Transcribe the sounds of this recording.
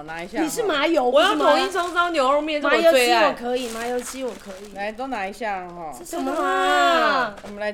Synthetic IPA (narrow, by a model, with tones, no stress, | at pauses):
na˧˥i˧˩jan˥i˨˩ʂ̬ɻ̩˥˩ma˧˥jo˧˥ʊwɔ˨˥j̪tʰo˨˩ŋi˥˧t͡sʰɑ˧˥ŋ˧ɑ˥˦njo˨˩˦mjɛ˥˧˩m˥˨˥jo˧˥e˥i˥wɔ˨˩kʰɤ˧˦˥i˨˩ma˧˥jo˧˥ʊt͡ɕʰi˧˥wɔ˨˩˦kʰɤ˧˦˥i˨˩a˨˧˥ɪt̪o˥˧na˧˥i˧ɕja˥˩ɔ˥˧ʂ̩˥˩ʂə˨˩mə˧˥ | wɔ˨˩mə˦la˧˦